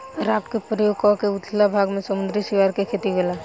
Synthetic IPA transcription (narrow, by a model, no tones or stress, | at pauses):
ɾaːpkepɾəjoːɡ̚kɔkeʊt̪ʰlabʱaːɡmẽsəmʊ̃nd̪ɾisiʋaːɾkekʰeːt̪iɡela